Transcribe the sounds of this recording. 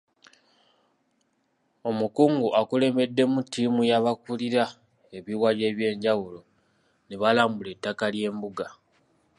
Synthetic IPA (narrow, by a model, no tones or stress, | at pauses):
o̞mukuːŋɡuʔakule̞me̞dːe̞mutːiːmujaβakuliɾa | e̞βiwaje̞ːβje̞ːɲɟawulo̞ | neβalaːmbule̞tːakalje̞ːmbuɡa